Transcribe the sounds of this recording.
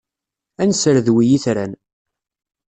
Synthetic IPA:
ænsəɾðwijiθɾæn

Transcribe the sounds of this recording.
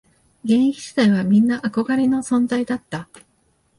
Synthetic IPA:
ɡẽ̞ɰ̃ikʲiɕi̥t̪aiβamʲĩnːaʔako̞ɡaɾʲeno̞sõ̞nzaid̪at̪ːa

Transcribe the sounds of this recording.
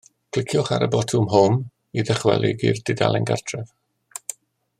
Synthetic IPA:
kʰl̥ˠɪkʰjɔχaɾəbɔtʰʊmɦɔm | iðɛχwɛ̰lˠɪɡird̥ɪda̰lˠɛnɡa̰rtʰrɛv̥

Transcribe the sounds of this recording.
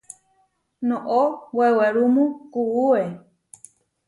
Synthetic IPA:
nõʔoweweɾumũkuue

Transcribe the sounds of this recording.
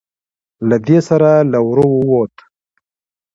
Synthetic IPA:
lad̪esaɾalawɾowowot̪

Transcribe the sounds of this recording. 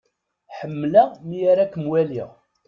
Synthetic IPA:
ħəmːlaʁmijaɾakəmwæliʁ

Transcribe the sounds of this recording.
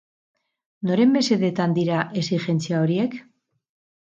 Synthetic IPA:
no̞ɾe̞mbe̞se̞ðet̪and̪iɾaʔe̞sixe̞nt͡siao̞ɾie̞k

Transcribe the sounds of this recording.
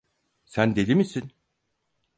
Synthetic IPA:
sænd̪e̞d̪imisin

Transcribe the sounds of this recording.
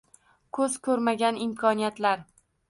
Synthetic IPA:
kʰɵz̥kʰɵɾmaɡʲanɪmkʰɒnijat̪laɾ

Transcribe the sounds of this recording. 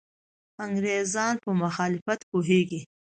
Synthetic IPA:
aŋɡɾezɑnpəmʊxɑːlɪfat̪poɦeɡi

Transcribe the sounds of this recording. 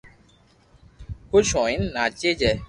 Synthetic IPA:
koʃɔ̃ĩn̩nat͡ʃed͡ʒɛ

